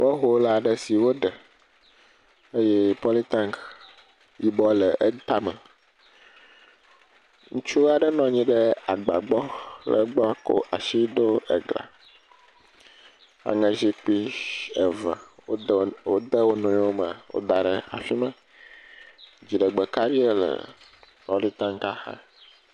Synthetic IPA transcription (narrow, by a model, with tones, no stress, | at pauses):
bɔ˦ɦo˦la˨ɖɛ˨si˨wo˦ɖɛ˨ | e˦jɛ˦pɔ˦li˦t̪ã˦ŋk | ji˨bɔ˦lə˨ʔe˦t̪a˦mɛ̃˨ | ŋũ˦t͡ʃu˦a˨ɖɛ˦nɔ̃˨ɲĩ˦ɖɛ˦a˨ɡ͡ba̰˨ɡ͡bɔ˦lə̰˨ɡ͡bɔ˦ko̰˦ʔa˨ʃi˦ɖ̪o˦ə̰˨ɡla̰˨ | a̰˨ŋə̃˨zi˦k͡pi˦ə˨və̰˨˦ | wo˦d̪ə˦wo˦nɔ̃˨ɲ˦wo˦mə˨wo̰˦d̪a˨ɖə˨a̰˨fi˦mə̃˨ | d͡ʑi˨ɖə˨ɡ͡bə˨ka˦ɾi˦e˦lə̰˨pɔ˦li˦t̪ã˦ŋka˦xa̰˦